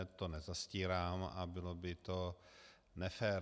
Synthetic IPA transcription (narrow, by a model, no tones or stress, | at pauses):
t̪onɛzasciːɾaːma̰bɪlobɪt̪o | nɛfɛːɾ